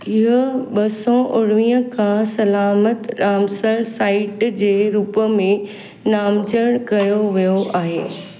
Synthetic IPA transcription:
ɪɦʊɓɐsɔʔʊɽ̤ʋĩːɦə̃kʰãsɐlaːmət̪ɾaːmsəɾsaːɪʈd͡ʑeːɾuːpəmẽ | naːmd͡ʑəɽ̃kɐjoʋijoʔaːɦḛː

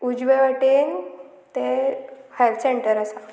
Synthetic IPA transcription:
ud͡ʑʋeʋaʈen | t̪ehaɾseɳʈəɾasa

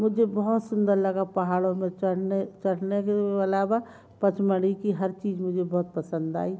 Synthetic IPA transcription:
mʊd͡ʒʱebəɦʊt̪sʊnd̪əɾləɡapəɦaːɽõmẽt͡ʃəɽnet͡ʃəɽnekeəlaːba | pət͡ʃməɽikiɦəɾt͡ʃiːd͡ʒmʊd͡ʒʱebɔɦʊt̪̚pəsə̃nd̪a̰ːi

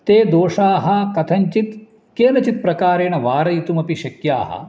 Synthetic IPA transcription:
t̪eːd̪oːʂaːɦɐ̆kɐt̪ʰɐɲt͡ʃit̪ | keːnɐt͡ʃit̪̚pɾɐkaːɾeːɳ̃ɐʋaːɾɐjit̪umɐpiʃɐkjaːɦɐ̰

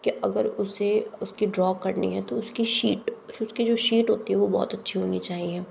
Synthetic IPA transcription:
kiʔɐɡəɾʊseʊskiɖɾɔːkːɐɾnḭɦɛt̪oʊskiʃḭːʈʊskid͡ʒoːʃiːʈɦoːt̪iɦɛʋobɔ̰ːt̪ɐtːʃʰiɦoːnit͡ʃaːɦiɛː

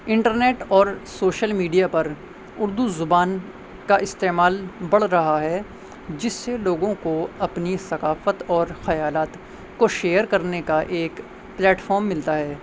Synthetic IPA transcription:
ɪ̃ɳʈəɾneːʈɔːɾsoːʃəlmiːɖijapɐɾ | ʊɾd̪uzʊbaːn | kaʔɪst̪eːmaːlbɐɽ̤ɾɐɦaɦɛ | d͡ʒɪsːeloːɡõkoɐpnisɐkaːfət̪ɔːɾxɐjaːlaːt̪ | koʃeːjəɾkɐɾnekaʔeːk | plɛːʈfʰɔːɾmːɪlt̪aɦɛː

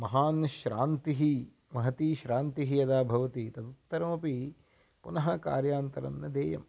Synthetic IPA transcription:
mɐɦaːnʃɾaːnt̪iɦi | mɐɦɐt̪iːʃɾaːnt̪iɦijɐd̪aːbʱɐʋɐt̪it̪ɐd̪ut̪ːɐɾɐmɐpi | punɐɦɐka̰ːɾjaːnt̪ɐɾɐ̰nːɐd̪eːjɐ̰m

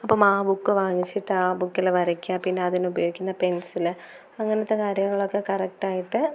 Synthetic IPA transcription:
ɐpːoːmaːbukːɨʋaːŋːit͡ɕːiʈːɨaːbukːilʋɐɾɐkʲːaːpinːeɐðinubɐjo̞ːɣikʲːunːɐpe̞nsil | ɐŋːɐnɐt̪ːekaːɾjɐŋːɐɭo̞kːe̞kɐrɐk̚ʈaːjiʈːɨ

